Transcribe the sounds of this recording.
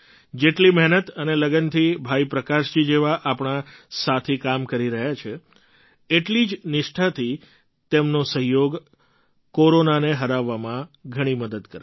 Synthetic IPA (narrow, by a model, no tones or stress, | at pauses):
d͡ʒeʈliməɦnət̪əneləɡənt̪ʰibʱaipɾəkaʃd͡ʒid͡ʒeʋaʔapɳ̃asat̪ʰikamkəɾiɾəɦjat͡ʃʰe | eʈlid͡ʒnɪʃʈʰat̪ʰi | t̪emnosəɦjoɡ | koɾonaneɦəɾaʋːamãɡʱəɽ̃iməd̪əd̪kəɾ